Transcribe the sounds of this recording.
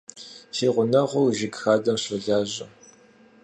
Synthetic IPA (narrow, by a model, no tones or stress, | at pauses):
siːʁʷʊnɐʁʷʊwʒɪɡxaːdɐmɕɐɮaːʑɐ